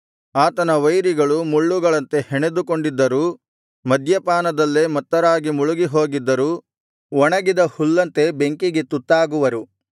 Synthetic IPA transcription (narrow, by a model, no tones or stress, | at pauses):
aːt̪ɐnɐʋɐjɾiɡɐɭumuɭːuɡɐɭɐnt̪e̞heɳe̞d̪uko̞ɳɖid̪ːɐɾuː | mɐd̪ʱjɐpaːnɐd̪ɐlːeːmɐt̪ːɐɾaːɡimuɭuɡiɦo̞ːɡid̪ːɐɾuː | ʋɔɳɐɡid̪ɐhulːɐnt̪e̞be̞ŋkiɡe̞t̪ut̪ːaːɡuʋɐɾu